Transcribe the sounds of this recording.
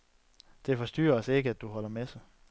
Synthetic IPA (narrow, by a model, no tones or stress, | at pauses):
d̥e̝fɒ̽sd̥y̰ːɐɒ̽se̝ɡ̥əæd̥uɦɒ̽l̰ɐmes